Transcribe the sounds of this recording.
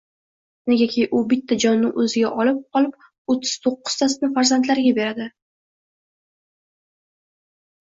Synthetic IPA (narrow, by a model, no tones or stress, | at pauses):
neɡʲakʲʰejʔʊbɪt̪ʰːad͡ʒɒnːɪʔɵzɪɡʲaʔɒlɪp̚qʰɒlɪp̚ | ot̪ʰːɪ̥z̥t̪ʰoqːʊ̥z̥t̪ʰasnɪfaɾzant̪laɾɡʲabe̞ɾad̪ɪ